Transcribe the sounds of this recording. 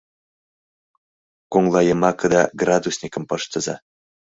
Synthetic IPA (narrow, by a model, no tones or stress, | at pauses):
koŋlˠɑjɤ̆mɑkə̆d̪ɑɡrad̪usʲnʲikə̆mpɤʃt̪ɤ̆zɑ̰